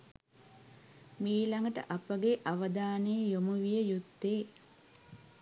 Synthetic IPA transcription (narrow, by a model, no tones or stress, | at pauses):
miːlaŋɡəʈə̰ʔapəɡeʔaʋəd̪aːnejjomuʋijəjut̪ːeː